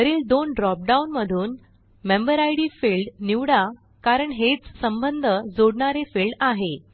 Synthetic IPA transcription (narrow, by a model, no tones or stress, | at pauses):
əɾiːld̪onɖɾɔp̚ɖaunməd̪ʱuːn | membəɾajɽiːfilɖniʋɽa | kaɾəɳɦet͡ssəmbənd̪ʱəd͡zoɽɳaɾefilɖaɦe